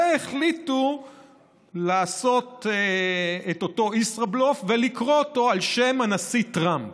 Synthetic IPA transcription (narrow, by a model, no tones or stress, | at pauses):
eχlitu | laːso̞t̪eeto̞to̞isʁablofvelikʁo̞ːto̞alʃe̞manasitʁamp